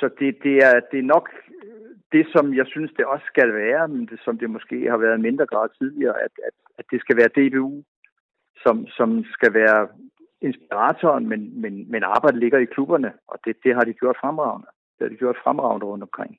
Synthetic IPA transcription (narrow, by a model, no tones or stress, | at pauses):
sɒ̽d̥e̝d̥e̝æɐd̥e̝ɐnɒ̽ɡ̥ | d̥e̝sɒ̽mjɑ̈ɪsynsd̥e̝ɒ̽sːɡ̥ælʋæːɐmend̥esɒ̽md̥e̝mɒ̽sɡ̥e̝̰ːhɑ̈ʋæːɐð̩ˠme̝nd̥ʁɐɡ̥ʁɑ̈ːðˠt͡sʰið̞ˠliɐːʔæd̥æd̥ | æ̥d̥e̝sɡ̥æʋæːɐd̥e̝b̥e̝ṵː | sɒ̽msɒ̽msɡ̥æʋæːɐ | e̝nsb̥iʁɑ̰t͡sʰɒːnmenmenmenɑ̈ːb̥ɑ̈ɪ̰d̥əle̝ɡ̥ɐikʰlub̥ɐnəʔɒ̽d̥e̝d̥e̝ɦɑ̈d̥iɡ̥jo̝ɐ̰d̥fʁamʁɑ̈ʊ̰nə | d̥e̝hɑ̈d̥iɡ̥jo̝ɐ̰d̥fʁamʁɑ̈ʊnd̥ʁɔ̽n̰d̥ɒmkʰʁeŋ̰